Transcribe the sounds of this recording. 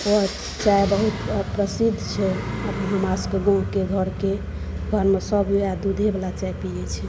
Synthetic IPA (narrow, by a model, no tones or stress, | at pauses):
o | t͡ʃajbəɦut̪pɾəsid̪ʱːt͡ʃʰɛəpɦəmaskeɡõɦkeɡʱəɾke | ɡʱəɾmesəbad̪ud̪ʱebelat͡ʃaepijɛt͡ʃʰi